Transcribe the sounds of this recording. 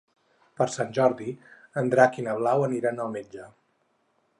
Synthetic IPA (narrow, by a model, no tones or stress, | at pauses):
pəɾsanʲʒɔɾðiənd̪ɾakinəβ̞lawəniɾanəlˠmed͡ʒə